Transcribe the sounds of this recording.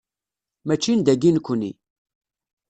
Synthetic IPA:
mæt͡ʃːind̪æɡinkʷːənḭ

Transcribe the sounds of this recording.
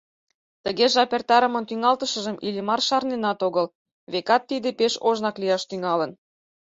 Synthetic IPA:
t̪əɣeʒɑpert̪ɑɾəmə̆nt̪yŋɑlt̪əʃə̆ʒə̆mʔilʲimɑrʃɑrnenɑt̪oɣɤl | βekɑt̪ːid̪epeʃoʒnɑklijɑʃt̪yŋɑlən

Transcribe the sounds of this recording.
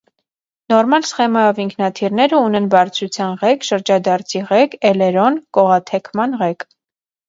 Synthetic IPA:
nɔɾmɑlsχɛmɑjɔviŋkʰnɑt̪ʰiɾnɛɾəunɛnbɑɾt͡sʰɾut͡sʰjɑnʁɛkʃəɾd͡ʒɑd̪ɑɾt͡sʰiʁɛkɛlɛɾɔnkɔʁɑt̪ʰɛkʰmɑnʁɛk

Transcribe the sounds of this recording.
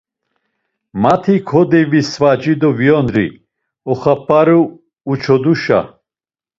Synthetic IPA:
mat̪ʰikʰɔd̪ɛvisvad͡ʒid̪ɔvjɔnɾḭ | ɔχapʼaɾuː | t͡ʃʰɔd̪uʃa̰

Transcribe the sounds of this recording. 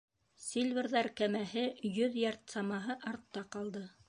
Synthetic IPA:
sʲilʲvʲeɾðɑɾkæmæɦɘjɵðjɑɾt̪sɑmɑɦɤʔɑɾt̪ːɑqɑlˠd̪ɤ

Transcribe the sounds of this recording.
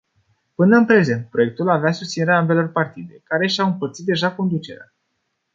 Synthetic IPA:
pɨnəɨnpɾe̞ze̞nt̪̚pɾo̞je̞k̚t̪ulaveasust̪sineɾeaambe̞lo̞rpart̪id̪e̞kaɾe̞ʃawɨmpərt̪sit̪d̪e̞ʒako̞nd̪ut͡ʃe̞ɾea̰

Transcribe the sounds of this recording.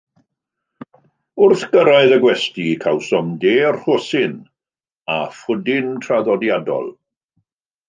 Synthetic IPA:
ʊrθɡəɾaɨðəɡwɛstikʰawsɔmdeːrhosɪn | afʊdɪntʰraðɔdjadɔ̰lˠ

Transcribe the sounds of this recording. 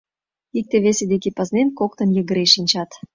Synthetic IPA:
ik̚t̪eβesed̪ekepəznenkok̚t̪ə̆njə̆ɣə̆ɾeʃinʲt͡ɕɑt̪

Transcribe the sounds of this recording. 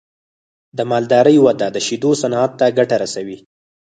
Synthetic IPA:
d̪əmɑld̪ɑɾəjwad̪ad̪əʃid̪osanɑat̪ːaɡaʈaɾasawi

